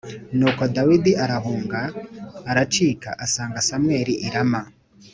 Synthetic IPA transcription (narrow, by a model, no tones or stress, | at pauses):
nuːkodawidiʔaɾaɦuːŋɡaːɾat͡ʃiːka̰ʔasaːŋɡasamweːɾiʔiɾama